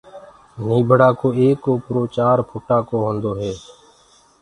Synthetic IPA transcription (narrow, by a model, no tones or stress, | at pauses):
niːbʱəɽaːkoːeːkoːpɾoːt͡ʃaːɾpʰoːʈaːkoːɦõːnd̪oːɦɛː